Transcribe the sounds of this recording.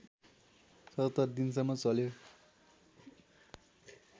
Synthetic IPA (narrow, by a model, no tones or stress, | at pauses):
sʌt̪t̪ːʌrd̪ins̬ʌmːʌt͡sʌljo